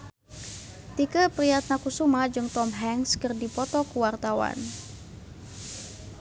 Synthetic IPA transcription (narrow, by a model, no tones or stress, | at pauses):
t̪ikəpɾiat̪̚nakusumad͡ʒɨŋt̪ɔmɦɛŋskɨrdipɔt̪ɔkuwart̪awa̰n